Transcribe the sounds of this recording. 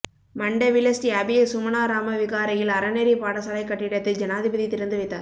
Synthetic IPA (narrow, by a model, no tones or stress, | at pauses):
mɐɳɖɐʋɪlɐsʈiɐbɪjɐsʊmɐnaːɾaːmɐʋɪɣaːɾɐjɪlɐɾɐnɛɾipaːɽɐsɐlɐɪkːɐʈːɪɽɐt̪ːɯd͡ʒɐnaːðɪbɐðit̪ɪɾɐnd̪ɯʋɐɪt̪ːaːɾ